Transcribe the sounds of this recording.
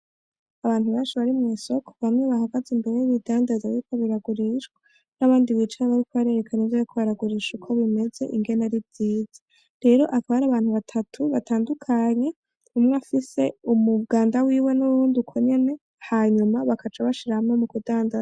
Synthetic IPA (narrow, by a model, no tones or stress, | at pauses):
aβaːn̥huβaːnt͡ʃiβaɾimŋeːso̞kʰo̥βamŋe̞βahaɡazimbe̞ɾejiβidaːndazawikʰoβiɾaɡuɾiʃɡwa | naβaːndiβit͡ʃaaβaɾikʰoβaɾieɾe̞kʰanivjojikʰoβaɾaɡuɾiʃukʰo̞βime̞ze̞̰ʔiŋɡe̞naɾivz̥iːz̥a | ɾe̞ɾo̞ʔakaβaɾaːβaːnhuβatʰatʰuβataːndukʰaɲe̞ | umŋafise̞umuβɡaːndawiːwe̞nuɾuːndukʰoɲe̞ne̞ | haɲumaβakat͡ʃaβaʃiɾahamŋemukudaːndaza